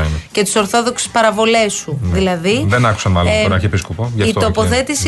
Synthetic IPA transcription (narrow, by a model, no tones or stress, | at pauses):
nce̞t̪i̥so̞ɾθo̞ðo̞kse̥spɐɾɐvo̞le̞suðilɐðiðenɐku̥sɐnɐlnɐɾçiepiskopoʝɐit̪opo̞θe̞t̪is